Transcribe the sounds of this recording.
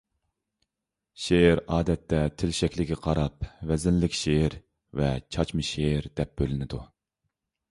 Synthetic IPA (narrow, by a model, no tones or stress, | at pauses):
ʃeɾɑːd̪ɛt̪ʰːɛt̪ʰɪlʃɛkʲlɪɡʲɛqʰɑɾɑp̚vɛzɪnlɪkʲʃeɾ | vɛt͡ʃʰɑt͡ʃmɨʃeɾd̪ɛp̚bølɪnɪd̪u